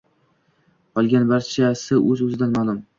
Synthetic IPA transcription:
qʰɒlˠɡʲanbaɾt͡ʃʰasɪʔɵzɵzɪd̪anmaːlˠʊm

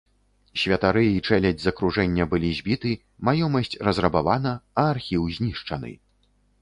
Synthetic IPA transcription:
sʲvʲɐt̪aɾɨit͡ʂɛlʲɐd͡zʲzɐkɾuʐɛnʲːɐbɨlʲizʲbʲit̪ɨ | majɔmɐsʲt͡sʲrɐzrɐbavan̪ɐɐːrxʲiwzʲnʲiʂt͡ʂɐnɨ̰

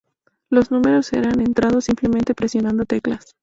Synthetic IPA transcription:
lo̞znũme̞ɾo̞se̞̰ɾane̞nt̪ɾað̞o̞sːimple̞mẽnt̪e̞pɾe̞sjo̞nãnd̪o̞t̪e̞klas

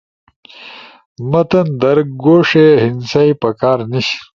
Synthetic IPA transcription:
mɐt̪ɐnd̪ɐɾɡoːʂeɦinsaipɐkaːɾniɕ

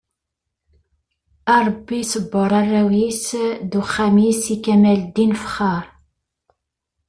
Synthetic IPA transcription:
ɑɾˤbːisəbːəɾˤɑrˤːæwisðuχːæmisikæmæld̪infχɑɾˤ

